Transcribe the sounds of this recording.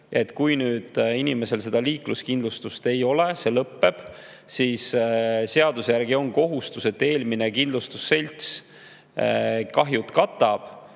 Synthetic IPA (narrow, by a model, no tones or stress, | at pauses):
e̞t̪ːˑkujnyːd̪̥inime̞se̞lse̞d̪ɑliːkluskind̪lust̪ust̪e̞jo̞le̞se̞lɤpːe̞b̥ | siːsse̞ɑd̪usjærɡ̥io̞ŋko̞ɦust̪use̞t̪ːe̞ːlminekind̪lust̪usːe̞lʲt̪s | kɑɦjut̪kɑt̪ːˑɑb̥